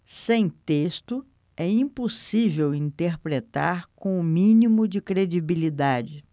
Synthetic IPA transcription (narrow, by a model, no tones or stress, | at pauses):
sẽj̃t̪est̪ʊ | ɛĩposivewĩnt̪eɾpɾet̪aɾkõw̃ʊmĩnimʊd͡ʒɪkɾed͡ʒibilid̪ad͡ʒɪ